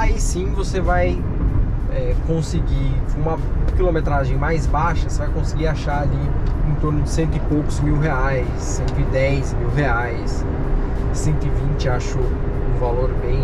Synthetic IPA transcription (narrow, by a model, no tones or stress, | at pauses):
aisĩvosevaj | ɛkõsɪɡiũmɐ̃ | kilõmet̪ɾaʒẽj̃majzbaʃɐosevajkõsɪɡiaʃaaliẽt̪oɾnʊd͡ʒɪsẽnt̪ʊɪpowkʊzmiwɦeajsːẽnt̪ʊɪd̪ɛjzmiwɦeajs | ɪsẽnt̪ʊɪvĩt͡ʃɪaʃʊ | ũvaloɾbẽj̃